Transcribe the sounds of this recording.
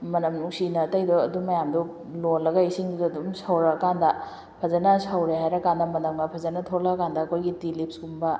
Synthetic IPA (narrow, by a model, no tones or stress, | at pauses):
mɐnɐmnuŋsinɐtɐjdɔɐdumɐjamdu | lolːɐɡɐisiŋdudːdumsawɾɐkandɐ | pʰɐzɐnɐsɐwɾeɦajɾɐkandɐmɐnɐŋnɐpʰɐzɐnɐtʰolɐkandɐːkʰojɡitilip̚sumbɐ